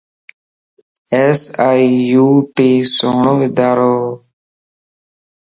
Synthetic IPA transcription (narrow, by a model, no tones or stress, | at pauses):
eːsaːijuːʈiːsoːɳoːʋɪd̪aːɾoː